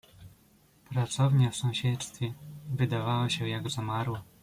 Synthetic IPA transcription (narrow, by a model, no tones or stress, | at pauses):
pɾat̪sɔvɲɛfsɔ̃w̃ɕɛt̪st̪fʲɛvɘd̪avawɔɕɛjaɡzamaɾwɔ